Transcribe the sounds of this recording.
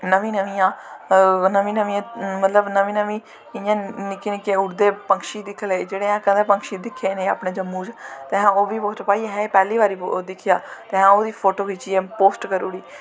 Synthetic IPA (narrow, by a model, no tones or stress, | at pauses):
nəʋĩːnəʋĩːãː | nəʋĩːnəʋĩːãːmət̪ləbnəʋĩːnəʋĩː | ɪjãːnɪkenɪkeːʊɾd̪eːpəŋkʃiːd̪ɪkʰːleːd͡ʒeːɽeːãːkə̃nd̪ẽːpəŋkʃiːd̪ɪkʰːeːneːa̰ːpɳeːd͡ʒəmːũːt͡ʃt̪eːɦãːoːʋiːpoːsʈpaːiːeɦɛ̃ːpɛːliːʋaːɾiːd̪ɪkʰɪjaːt̪eːɦãːoːd̪iːpʰoːʈoːɦiːt͡ʃiːeːpoːsʈkəɾuːɽiː